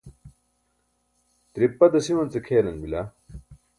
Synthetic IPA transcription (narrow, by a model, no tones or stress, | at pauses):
t̪ɾipːɐd̪ɐsiwɐnt͡səkʰeːlɐnbila